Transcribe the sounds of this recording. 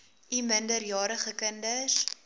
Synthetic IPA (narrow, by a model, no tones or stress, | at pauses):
ʔiməndərjɑːɾəχəkəndəs